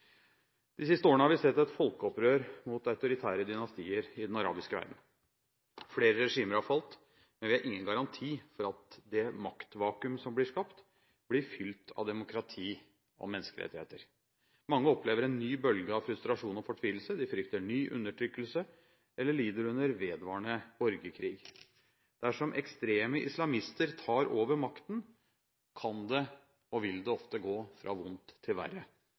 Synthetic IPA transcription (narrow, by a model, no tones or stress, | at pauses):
d̪̥ɪs̬ɪst̪əoːɾɳəhɑɾʋɪsɛt̪ːɛt̪fɔlkəɔpɾøːɾmʊt̪ɑʉt̪ʊɾɪt̪ʰæːɾəd̪ɪnɑst̪iːəɾɪd̪ɛnɑɾɑ̰ːbɪskəʋæ̰ɾɖ̪n̩ | fleːɾəɾɛʂiːməɾhɑfɑlt̪ | mɛnʋɪhɑɾʔɪŋːənɡɑɾɑnt̪ʰiːfɔɾɑt̪d̪ɛmɑkt̪ʋɑːkʉmsɔmblɪʂkɑpt̪ | b̥lɪɾfʏlt̪ʰɑ̰ʋd̪ɛmʊkʰɾɑt̪ʰiː | ʔɔ̰mɛnːəskəɾɛ̰t̪ːɪhḛːt̪əɾ | mɑŋːəɔpleːʋəɾɛnːyːbœlɡəɑʋfɾʉst̪ɾɑʂuːnɔfɔʈʰʋiːl̩səd̪ɪfɾʏkt̪əɳyːʔʉ̰nːəʈʰɾʏkːəlsə | ʔɛlːəɭiːd̪əɾʉnəɾʋeːd̪ʋɑːɳəɔɾɡəkʰɾiːɡ | d̪̥æʂɔmʔɛkst̪ɾeːməʔɪ̰slɑmɪst̪əɾt̪ʰɑːɾoːʋəɾmɑkt̪ən | kʰɑnd̪ɛ | ɔʋɪld̪ɛɔft̪əɡoːfɾɑ̰ːʋʊnt̪ʰːɪlʋæ̰rːə